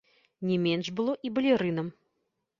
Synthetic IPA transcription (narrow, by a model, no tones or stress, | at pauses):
nʲɛmʲɛnʂbɨlˠɔʔibɐlʲiɾɨnɐm